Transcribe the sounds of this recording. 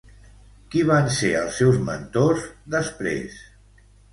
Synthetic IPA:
kiβanseəlˠsːɛwzmə̰nt̪ozðəspɾḛs

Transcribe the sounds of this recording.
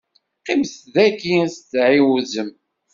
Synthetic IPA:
qimθðækiæst͡sːʕiwuzəm

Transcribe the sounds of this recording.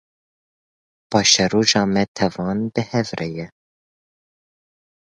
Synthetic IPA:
b̥ɑːʃɛroːʒɑːmɛt̪ʰɛvɑːnbɨhɛvrʔɛjɛ

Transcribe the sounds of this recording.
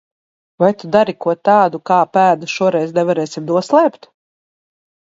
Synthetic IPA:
vajt̪ud̪aɾikuɔt̪aːd̪ukaːpæːd̪uʃuɔɾɛjznɛvaɾɛːsimd̪uɔslˠɛːpt̪

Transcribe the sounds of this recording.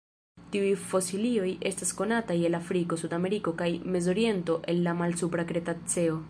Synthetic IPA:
tiujfo̞silio̞je̞stasko̞nataje̞lafɾiko̞sudame̞ɾiko̞kajme̞zo̞ɾie̞nto̞ʔe̞nːamalsupɾakɾe̞tat͡se̞o

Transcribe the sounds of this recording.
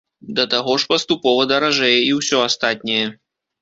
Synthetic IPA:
d̪ɐt̪aɣɔʂpɐst̪upɔvɐd̪ɐɾaʐɛjɛiwsʲɔast̪at̪ʲnʲɐjɛ

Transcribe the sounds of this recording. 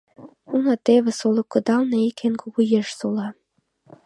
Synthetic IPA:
unɑt̪eβĕsolɤ̆kːɤ̆d̪ɑlneikʰenkuɣujeʃsolɑ

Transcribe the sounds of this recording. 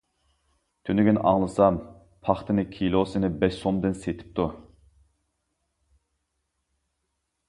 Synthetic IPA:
t̪ʰynyɡʲynʔɑ̰ŋlˠɨsɑm | pʰɑχt̪ʰɨnɪkʲʰilˠosɨnɪbɛʃsomd̪ɨnset̪ʰɪ̥p̚t̪ʰu

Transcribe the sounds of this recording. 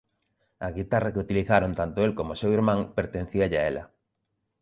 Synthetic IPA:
ɐɣit̪arɐkɪut̪iliθaɾont̪ant̪oelkomʊsewiɾmãŋpeɾt̪ẽn̟θiɐʎɪaelɐ̰

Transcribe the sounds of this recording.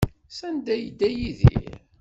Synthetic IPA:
sænd̪æjəd̪ːæjiðḭɾ

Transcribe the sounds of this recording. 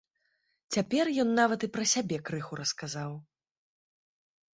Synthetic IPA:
t͡sʲapʲɛrjɔnːavɐt̪ɨpɾɐsʲabʲɛkɾɨxuɾɐskazaw

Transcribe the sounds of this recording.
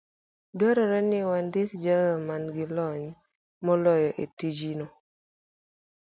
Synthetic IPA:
dwɛɾɔɾɛnɪwandɪkd͡ʒaŋamanɡɪlɔɲ | mɔlɔjɔʔetid͡ʒinɔ

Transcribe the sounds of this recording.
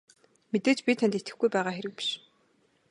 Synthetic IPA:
met̪eːt͡ɕpʲit̪ʰanʲt̪et̪ɡɘ̆xɡujpæːʁaːxeɾɘ̆k̚pi̥ʃ

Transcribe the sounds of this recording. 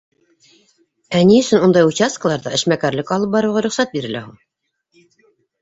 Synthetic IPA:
æniɵ̆sɵnund̪ɑjut͡ɕast̪̚kəlˠɑɾðɑɘ̆ʃmækæɾlɘkɑlˠɤp̚bɑɾɤʁɑɾɵ̆χsæt̪̚biɾɘ̆læhuɴ

